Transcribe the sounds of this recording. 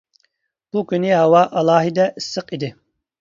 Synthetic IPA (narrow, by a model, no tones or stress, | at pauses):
b̥ukʲynɪɦɑwɑʔɑlˠɑːɦid̪ɛʔisːəqid̪ɪ